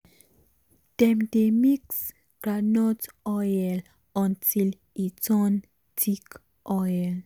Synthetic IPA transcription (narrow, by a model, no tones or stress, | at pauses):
d̥ɛmdemiks | ɡ̥ɾanɔt | ɔjɛl | ɔ̃ntʰil | itɔn | tʰik | ʔɔjɛl